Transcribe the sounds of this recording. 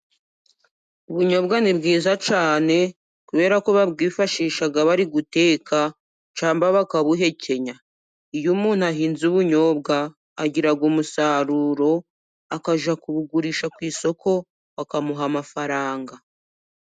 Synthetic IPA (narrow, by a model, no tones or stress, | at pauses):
uβuɲo̞bɡanibɡiːzat͡ʃaːne̞ | kuβe̞ːɾakoβabɡiːfaʃiːʃaɡaβaɾiɡute̞ːkʰa | t͡ʃaːmbaβakaβuɦe̞cʰe̞ɲa | ijumuːn̥huaɦiːnzuβuɲo̞ːbɡaː | ɟiɾaɡumusaːɾuːɾo̞ | akaʒakuβuɡuɾiʃakwiːso̞kʰo̞ | βakamuɦamafaɾaːŋɡa